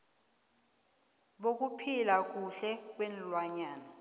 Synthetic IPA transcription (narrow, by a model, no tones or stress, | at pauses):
ɓok̬upʰilak̬ʼuɬɛk̬wenlwaɲaːna